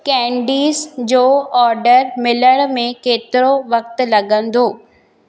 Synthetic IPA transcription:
kɛ̃ːɳɖiːzd͡ʑoːɔːɾɖəɾmɪləɽ̃mẽkeːt̪ɪɾoʋɐk̚t̪lɐɡə̃nd̪oː

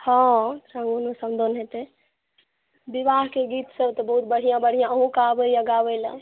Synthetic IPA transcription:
hɔ̃ɾãŋɡonosəmd̪onɦet̪e | bibaɦkeɡit̪səbt̪ɔbəɦut̪̚bəɽ̤ijãbəɽ̤ijãəɦũkabəijəɡabələ̰̃

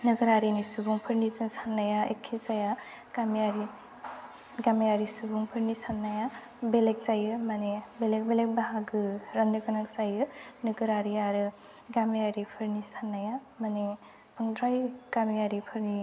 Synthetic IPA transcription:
nɯɡɯɾaɾinisubuŋpʰɯɾnizɯnsanːajaḛkʰːisaja | kamijaɾi | ɡamijaɾisubuŋpʰɯɾnisanːaja | belek̚zajɯmanibelek̚belek̚baɦaɡɯɾaŋdɯkɯnaksajɯnɯɡɯɾaɾiaɾɯ | ɡamijaɾipʰɯɾnisanːaja | mani | pʰɯŋdɾajkamijaɾipʰɯɾni

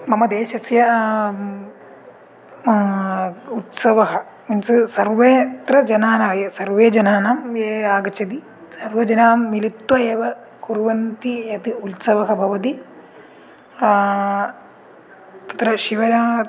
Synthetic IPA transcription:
mɐmɐd̪eːʃɐsjɐ | ut̪sɐʋɐɦɐ | insɨsɐɾʋeːt̪ɾɐd͡ʒɐnaːnaːjɐsɐɾʋeːd͡ʒɐnaːnaːmeːaːɡɐt͡ʃɐd̪i | sɐɾʋɐd͡ʒɐnaːmːilit̪wɐeːʋɐ | kuɾʋɐnt̪ijɐt̪iut̪sɐʋɐɦɐbʱɐʋɐt̪̬i | t̪ɐ̥t̪ɾɐʃiʋɐɾaː

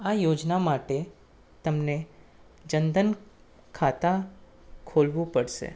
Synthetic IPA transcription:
ajod͡ʒnamaʈe | t̪əmne | d͡ʒənd̪ən | kʰat̪a | kʰolʋũpəɽʃḛ

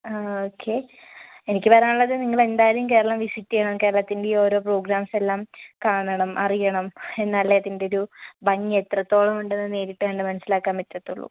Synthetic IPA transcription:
aoːkʰːe̞ | enikʲːɨpɐɾaːuɭːɐðɨniŋːɐɭe̞nd̪aːjɾɐjumke̞ːɾɐɭɐmʋisitːijɐɳɐmke̞ːɾɐɭɐt̪ːinde̞io̞ːɾo̞ːpro̞ːɡɾaːmse̞lːaːmkaːɳɐɳɐmʔɐrijɐɳɐme̞nːaːlːeːðinde̞oɾubɐŋet̪rɐt̪ːo̞ːɭɐmuɳɖe̞nːɨne̞ːɾiʈːaːɳɖɨmɐnɐsːilaːkːaːnʋetːɐt̪ːuɭːṵ

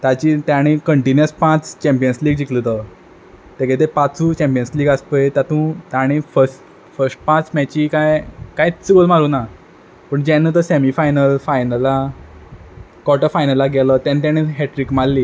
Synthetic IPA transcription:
t̪at͡ɕit̪jaɽ̃ikəɳʈinjəspãt͡st͡ɕɛ̃mpijənsliːɡd͡ʑiklət̪ə | t̪eket̪̬epat͡sut͡ɕɛ̃mpiənsliːɡaspəjt̪jat̪ũt̪aɽ̃ifəsʈ | fəɾsʈ̚pãt͡smɛt͡ɕiːkajkajit̪sibəlmaɾuːna | pəɳd͡ʑɛnːət̪əsemifajnəlfajnəla | kɔʈəfajnəlaɡɛləːt̪jãnit̪̬añiɦeʈɾikmalːiː

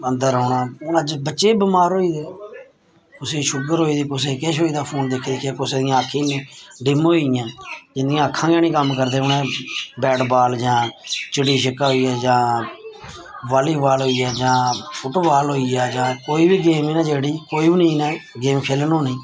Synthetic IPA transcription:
ənd̪əɾɦoːɳaːnad͡ʒbətːʃeːbəmaːɾoːiːd̪eː | kʊsẽːʃʊɡəɾɦoːiːd̪eːkʊseːkeːʃɦoːiːd̪aːpʰoːnd̪ekʰːd̪ɪkʰjaːkʊseːd̪ɪjãːəkʰːiːnĩːɖɪmojãːd͡ʒɪnd̪ɪjãːəkʰːãːɡɛːnĩːkəmkəɾd̪eːʊnɛ̃ːbɛːʈbaːld͡ʒãːt͡ʃəɽiːʃəkaːɦoiːɛːd͡ʒãː | ʋaːliːbaːlɦoːiːɛːd͡ʒãːpʰʊʈːʋaːlɦoːiːɛːd͡ʒãːkoːiːbiːɡeːmeːnɛ̃ːd͡ʒeːɽiːkoːiːbnĩːnɛːɡeːmkʰeːlənoːnĩː

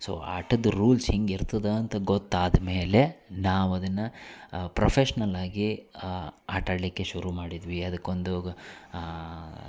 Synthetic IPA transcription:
so̰ːa̰ːʈɐd̪ɾuːlsheŋɡiɾt̪ɐd̪ɐːnt̪ɐɡot̪ːaːd̪ɐme̞ːle̞naːʋɐd̪ɐnːɐpɾɐpʰeʃɐnɐlaːɡi | aːʈaːɽlikːe̞ʃuɾumaːɽid̪ʋiɐd̪ɐkːond̪u

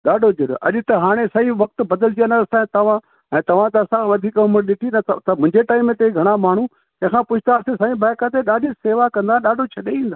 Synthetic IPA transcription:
ɗaːɖʱod͡ʑɐɗo̰ʔɐ̰ʄʊt̪ɐɦaːɽ̃esɐiʋɐk̚t̪bɐd̪əlt̪ijãnaɐsãt̪ɐʋ̤ã | ɛ̃ːt̪ɐʋ̤ãt̪̬ɐɐsãʋɐd̪ʱiːkʊməɾɗɪʈʰinɐt̪t̪ɐmʊ̃ɦɪ̃ɲd͡ʑeʈaːɪmẽt̪eɡʱɐɽ̃amaːɳ̤ũ | ɐ̃ɦɪ̃kʰãːpʊt͡ʃʰt̪asẽsaːĩbʱaːjkãt̪̬eɗaːɖʱiseːʋakɐ̃nd̪ãːɗaːɖʱot͡ɕʰɐɗeĩːnd̪aː

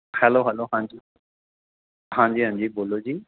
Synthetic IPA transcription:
hɛloɦɛloɦãɲd͡ʑi | hãɲd͡ʑiːɦə̃ɲd͡ʑiːbolod͡ʑiː

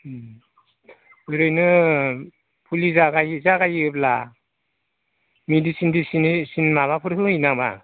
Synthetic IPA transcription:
ɯɾɯjnɯ | pʰulizaɡajzaɡajɯp̚la | medisindisinsinmaβapʰɯɾɦɯinaba̰

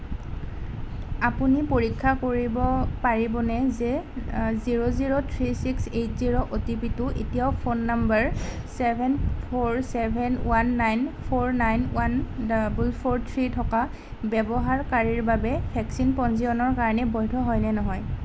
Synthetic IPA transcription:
apunipoɹikʰːakoɹibɔpaɹibɔnɛzɛziɹoziɹotʰɹisiksejtziɹoʔotipitʊʔetijaʊpʰonːambaɹ | sɛbʱɛnpʰoɹsɛbʱɛnwanːajnpʰoɹnajnwanbulpʰoɹtʰɹitʰɔka | bɛbɔɦaɹkaɹiɹbabɛbʰʱɛksinpɔnziɔnɔɹkaɹɔnɛbɔjdʰʱɔɦɔjnɛnɔɦɔj

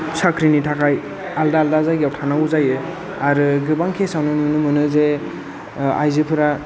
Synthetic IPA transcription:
sʰakʰɾinitʰakʰaj | aldaːldazajɡawtʰanaɡuzajɯ | aɾɯɡɯbaŋkʰesawnɯnɯnɯmɯnɯze | a̰jzɯpʰɯɾa

